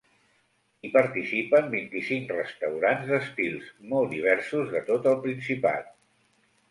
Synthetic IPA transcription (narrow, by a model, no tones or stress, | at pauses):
ipəɾt̪isipəmbint̪isiŋkrəst̪əwɾanzðəst̪ilˠsmɔlˠd̪iβ̞ɛɾsuzðət̪ot̪əlˠpɾinsipa̰t̪̚